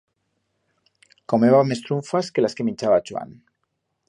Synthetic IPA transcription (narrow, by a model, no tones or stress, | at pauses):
komeβamest̪ɾuɱfaskelaskemĩnt͡ʃaβat͡ʃwa̰n